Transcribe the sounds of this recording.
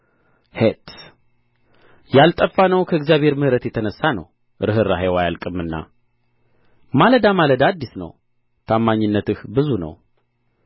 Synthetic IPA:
het̪ | jalt̪ʼəfːanəwkʰəɨɡzjaβhe̞ɾmɨhɾət̪jɛt̪ʰənəsːanə̰w | ɾɨɦɨɾːaɦajwajalkʼɨmːɨnːa̰ | maləd̪amaləd̪ad̪ːisnə̰w | t̪ʰamːaɲːɪnːət̪ɨhbɨzunə̰w

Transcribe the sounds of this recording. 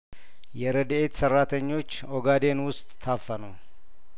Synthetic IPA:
jɛɾəd̪ʔet̪sərːat̪ʰəɲːo̞t͡ʃː | oɡad̪e̞nwʊst̪ʼːʰafːənəw

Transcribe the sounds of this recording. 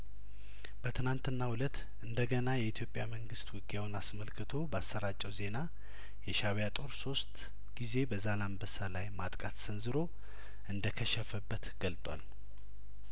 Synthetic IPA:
b̥ət̪ʰɨnant̪ɨnːahwulət̪ | ɨnd̪əɡənajɛit̪ʰjo̞pʼjaməŋɡɨst̪wʊɡʼjawnasməlkʰɨt̪ʰo̞bəasːəɾat͡ʃʼːɛwze̞na | jɛʃaβjat̪ʼo̞ɾso̞st̪ʼ | ɡ̥ize̞bəzalanbəsalajmat̪ʼkʼat̪sɨnzɨɾo̞ | ʔɨnd̪əkʰəʃɛfəbːət̪ɡ̥əlt̪ʼwa̰l

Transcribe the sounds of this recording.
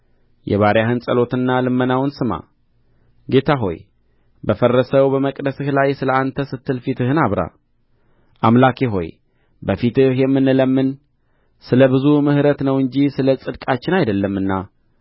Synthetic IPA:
jɛ̰βaɾjaɦɨnsʼəlo̞t̪ɨnːalɨmːənawnsɨma̰ | ɡe̞t̪ʰaɦo̞̰j | bəfərːəsəβbəməkʼd̪əsɨhlajsɨləant̪ʰəsɨt̪ʰːɨlfit̪ɨhɨnaβɾa̰ | ʔamlakʰeɦo̞̰j | bəfit̪ɨhjɛmːɨnɨləmːɨn | sɨləβɨzumɨhɾət̪nəwɨɲd͡ʒisɨləsʼɨd̪kʼat͡ʃːɪnajd̪əlːəmːɨnːa

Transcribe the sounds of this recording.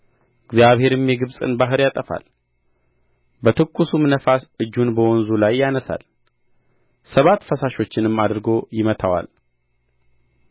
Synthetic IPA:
ʔɨɡzjaβhe̞ɾɨmjɛɡɨβsʼɨ̰nbaɦɨɾjat̪ʼəfa̰l | bət̪ʰɨkʼːusumnəfasɨd͡ʒːunbəwɔnzulajːanəsa̰l | səβat̪fəsaʃo̞t͡ʃːɪnɨmːad̪ɾɨɡo̞jɪmət̪ʰawa̰l

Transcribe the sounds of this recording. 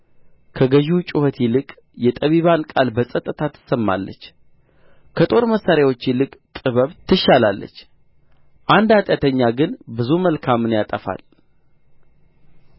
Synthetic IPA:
kʰəɡəʒut͡ʃʼʊhət̪ʰilɨkʼ | jɛt̪ʼəβiβankʼalbəsʼət̪ʼːɨt̪ʰat̪ʰːɨ̥səmːa̰lːə̰t͡ʃː | kʰət̪ʼo̞ɾməsːaɾjawo̞t͡ʃːilɨkʼt̪ʼɨβəβt̪ʰɨʃalalːə̰t͡ʃː | ʔand̪at̪ʼjat̪ʰəɲːaɡɨnbɨzuməlkʰamɨnjat̪ʼəfa̰l

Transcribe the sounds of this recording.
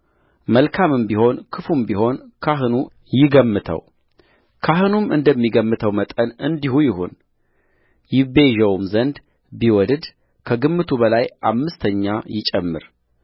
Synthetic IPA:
məlkʰamɨmbiho̞nkʰɨfumbiɦo̞nkʰaɦɨnu | jɪɡəmːɨt̪ʰə̰w | kʰaɦɨnumɨnd̪əmːiɡəmːɨt̪ʰəwmət̪ʼənɨnd̪ihujɪhṵn | jɪbe̞ʒəwumzənd̪ | biwɔd̪d̪ | kʰəɡɨmːɨt̪ʰubəlajʔa̰mːɨst̪ʰəɲːajɪt͡ʃʼɛmːɨ̰ɾ

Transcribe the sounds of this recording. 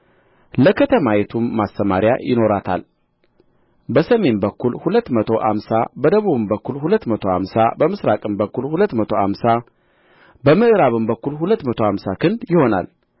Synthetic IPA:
ləkʰət̪ʰəmajet̪ʰumːast̪əmaɾjajʔɪno̞ɾat̪ʰa̰l | bəsəme̞nbəkːulhulət̪ːmət̪ʰo̞ʔa̰msabəd̪əβuβɨmbəkːulhulət̪ːmət̪ʰo̞ha̰msabəmɨsɾakʼɨmbəkːulhulət̪ːmət̪ʰo̞ha̰msa | bəmɨʔɨɾaβɨmbəkːulhulət̪ːmət̪ʰo̞hamsakʰɨnd̪jɪho̞na̰l

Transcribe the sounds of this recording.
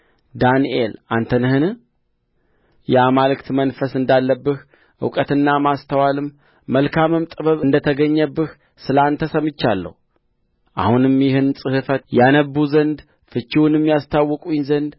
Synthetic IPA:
d̪aniʔelant̪ʰənɨhɨn | jɛamalɨkt̪mənfəsɨnd̪alːəbːɨh | ʔɨ̰wkʼət̪ɨnːamast̪ʰəwalɨmː | əlkʰamɨmt̪ʼɨβəβɨnd̪ət̪ʰəɡəɲːəbːɨh | sɨlant̪ʰəsəmɨt͡ʃːalːə̰hu | ʔa̰hunɨmjɪhɨnsʼɨhɨfət̪janəbːuzənd̪ | fɨt͡ʃːiwnɨmːijast̪ʰawːɔkʼujɪnzənd̪

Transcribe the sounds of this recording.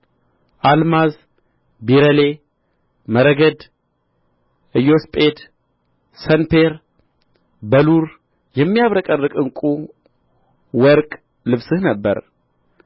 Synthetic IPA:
ʔalmaz | biɾəle | məɾəɡəd̪ | ʔɨjospʼed̪ | sənpʰeɾ | bəluɾ | jɛmːijaβɾəkʼərːɨkʼɨŋkʼu | wɔɾkʼ | lɨβsɨhnəbːə̰ɾ

